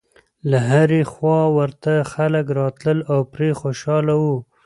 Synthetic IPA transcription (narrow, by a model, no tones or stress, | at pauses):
laɦaɾexwɑwəɾt̪axaləkɾɑt̪ləlawpɾexoʃɑlawu